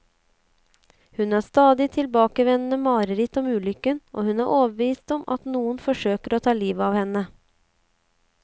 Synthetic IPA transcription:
hʉnæːst̪ɑːd̪ɪt̪ʰɪlbɑːkəʋɛnn̩əmɑːɾəɾɪt̪ɔmʉːlʏkənʔo̰ːhʉnæːʔoːʋəbʋiːst̪ɔmʔɑ̰t̪nuːənfɔʂøːkəɾoːt̪ʰɑːliːʋɑːʋhɛnə

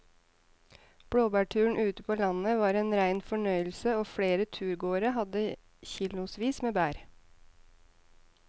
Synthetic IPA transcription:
b̥ɽoːbæːʈʰʉːɳ̩ʔʉːt̪əpʰoːlɑnəʋɑːɾeːnɾæɪnfɔɳœʏəl̩səoːfɽeːɾət̪ʰʉːɾɡoːɾəɦɑd̪ə | çɪlʊsʋiːsmeːbæːɾ

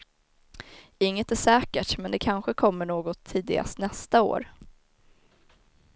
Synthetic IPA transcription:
ɪŋːət̪æʂɛːkəʈmɛnd̪ɛkʰanɧəkʰɔmːəɳoːɡɔt̪ʰːiːd̪ɪɡa̰st̪nɛst̪ao̰ːɾ

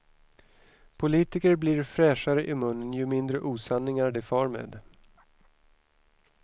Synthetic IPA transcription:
pʰʊliːt̪ɪkəɾbliːɾfɾɛːʂaɾəʔɪmɵnːənjɵmɪnd̪ɾəʔuːsanːɪŋæɖɛfɑːɾmḛːd̪

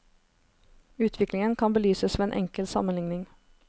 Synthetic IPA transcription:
ʉːt̪ʰʋɪklɪŋənkʰɑnbəlyːsəsʋeːeːnʔɛ̰ŋkəlsɑ̰mənlɪŋnɪŋ

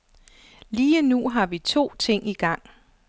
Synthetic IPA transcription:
liːənuɦɑ̈ʋit͡sʰo̝̰ːt͡sʰe̝ŋ̰iɡ̥ɑ̈ŋ̰

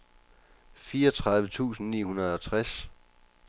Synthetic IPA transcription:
fiːɐɒt͡sʰʁɑ̈ð̞ˠʋət͡sʰṵːsn̩nḭːhunɐð̞ˠɒt͡sʰʁas

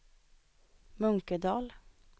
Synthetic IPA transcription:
mœŋkəd̪ɑːl

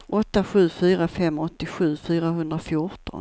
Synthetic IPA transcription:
ʔɔt̪ːaɧʉ̟ːfyːɾafɛmːɔt̪ːɪɧʉ̟ːfyːɾaɦɵnd̪ɾafjʊʈɔ̰n

